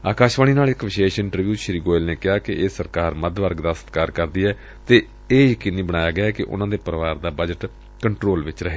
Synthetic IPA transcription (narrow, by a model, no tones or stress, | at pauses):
aːkaːʃʋaːniːnaːlɪkʋɪʃeːʃɪɳʈəɾʋjuːʃɾiːɡoːɪlneːkɪɦaːkɪʔeːsəɾkaːɾməd̪ʋəɾɡd̪aːsət̪kaːɾkəɾd̪iːɛː | t̪eː | eːjəkiːniːbəɽ̃aːjaːɡɪaːkɪʔʊ̰nãːd̪eːpəɾəʋaːɾd̪aːbəd͡ʒəʈ | kəɳʈɾoːlʋɪt͡ʃɾəɦeː